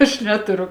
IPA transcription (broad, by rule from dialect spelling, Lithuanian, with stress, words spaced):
ɐʃ ˈnʲæːtʊrʊ